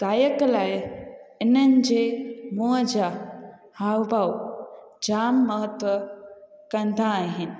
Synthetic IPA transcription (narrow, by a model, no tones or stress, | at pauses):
d̪̥aːjəklajɪnənd͡ʒemod͡ʒa | hawbʱaw | d͡ʒaːmːəɦət̪wəkɐnd̪ʱãːɦin